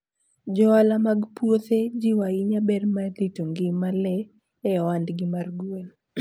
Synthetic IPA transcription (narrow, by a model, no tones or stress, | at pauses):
d͡ʒɔalamaɡpwot̪ed͡ʒiwaɪɲabɛrmat̪ɪtoŋɡɪmalɛː | wandɡɪmarɡwen